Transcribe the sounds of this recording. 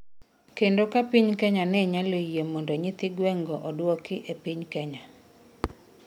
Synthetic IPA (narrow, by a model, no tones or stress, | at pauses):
kendokapiɲkɛɲanɛɲalojemɔndɔɲɪt̪ɪɡwɛŋɡɔʔɔdwɔkɪʔepiɲkɛɲa